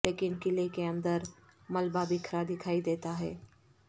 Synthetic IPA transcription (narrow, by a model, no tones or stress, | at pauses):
leːkɪnkɪlekeɐ̃nd̪əɾmɐlbabʱikʰəɾad̪ɪkʰaːid̪eːt̪aɦɛ̰ː